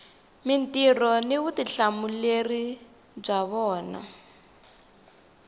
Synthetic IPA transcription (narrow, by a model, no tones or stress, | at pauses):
min̩tirɔniβutiɬamuleri | b͡ʐaβɔːna̰